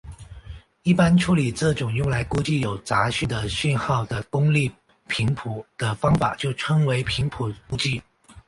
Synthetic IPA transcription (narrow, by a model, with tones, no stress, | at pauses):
i˥˩pa˥nʈ͡ʂʰu˧˥li˨˩ʈ͡ʂɤ˥˩ʈ͡ʂʊ˨˩ŋjʊ˥˩ŋla˧˥ɪku˥t͡ɕi˥˩jo˨˩ʊt͡sa˧˥ɕy˥˩d̪ə˩ɕy˥˧nxɑ˥˩ʊd̪ə˩kʊ˥ŋli˥˩ | pʰi˧˥ŋpʰu˨˩˦d̪̥ə˨fɑ˥ŋfa̰˨˩t͡ɕjo˥˩ʊʈ͡ʂʰɤ˥ŋwe˧˥ɪpʰi˧˥ŋpʰu˨˩ku˥t͡ɕi˥˩